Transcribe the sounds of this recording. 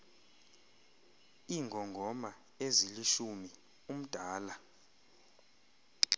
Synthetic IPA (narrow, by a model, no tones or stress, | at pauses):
iŋɡʱɔŋɡʱɔma | eziliʃumi | um̩d̥ʱaːla